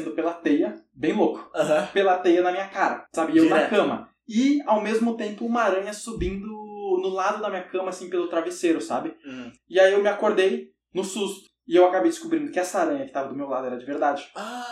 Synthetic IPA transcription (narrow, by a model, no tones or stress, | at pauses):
nd̪ʊpelɐat̪ejɐ | bẽj̃lokʊ̥ɐɦɐ̃pelɐat̪ejɐnɐmĩɲɐkaɾɐ̰sabɪewnkɐ̃mɐ̰ | ɪawmezmʊt̪ẽmpʊũmɐaɾɐ̃ɲɐsubĩnd̪ʊnʊlad̪ʊd̪ɐmĩɲɐkɐ̃mɐasĩpelʊt̪ɾaveseɾʊsa̰bɪ | ɪaiewmɪakoɾd̪ej | nʊsust̪ʊ̥ɪewakabejd͡ʒɪ̥skubɾĩd̪ʊkɪɛsɐaɾɐ̃ɲɐkɪ̥t̪avɐd̪ʊmewlad̪ʊɛɾɐd͡ʒɪveɾd̪ad͡ʒɪa